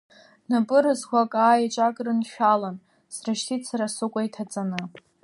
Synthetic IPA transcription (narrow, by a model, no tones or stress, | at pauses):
napʼɨɾɨzkʷakʼaːjat͡ʃʷʼakʼrɨnʃᶣalan | sraʃtʰitʰsaɾasɨkʷʼajtʰat͡sʼanɨ